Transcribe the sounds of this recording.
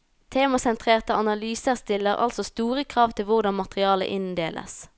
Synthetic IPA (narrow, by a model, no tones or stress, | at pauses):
t̪ʰeːmɑsɛnt̪ʰʁeːʁt̪əɑnɑlyːsəʁst̪ɪlːəʁɑ̰lsɔst̪uːʁəkʰʁɑːʋt̪ʰɪlʋʊʁd̪ɑnmɑt̪ʁɪɑːlə̰ʔɪnd̪eːlʔə̰s